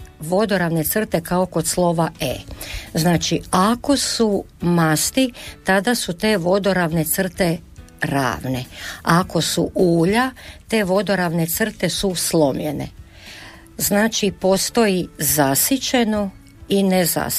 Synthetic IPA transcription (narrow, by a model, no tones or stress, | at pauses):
ʋo̞d̪o̞ɾaʋne̞t̪sr̩t̪e̞kaoko̞t̪slˠo̞ʋaḛznaːt͡ʃiako̞su | mast̪it̪ad̪asut̪e̞ːʋo̞d̪o̞ɾaʋne̞t̪sr̩t̪e̞ | ɾa̰ːʋne̞ako̞sṵʔuːʎat̪e̞ːʋo̞d̪o̞ɾaʋne̞t̪sr̩t̪e̞suslˠo̞mʎḛne̞̰ | znaːt͡ʃipo̞st̪o̞jizasit͡ʃeno | ineza̰s